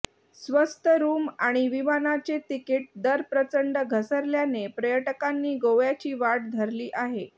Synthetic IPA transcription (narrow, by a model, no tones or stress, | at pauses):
sʋəst̪ʰəɾuːmaɽ̃iʋimanat͡set̪ikiʈ̚d̪əɾpɾət͡səɳɖəɡʱəsəɾljanepɾəjəʈəkanːiːɡoʋjat͡ɕiːʋaɽd̪ʱəɾliːʔaɦe